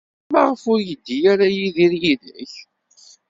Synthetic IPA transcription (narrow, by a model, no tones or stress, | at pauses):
mæʁəfʊɾjəd̪ːijaɾajiðiɾjiðəç